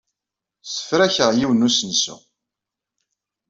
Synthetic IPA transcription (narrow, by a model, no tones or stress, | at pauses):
sə̥fɾæçəʁjiwənusənsṵ